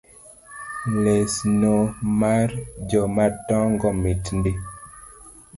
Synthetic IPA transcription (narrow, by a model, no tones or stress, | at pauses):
lesnomaɾd͡ʒɔmatɔ̃ŋɡɔmitndi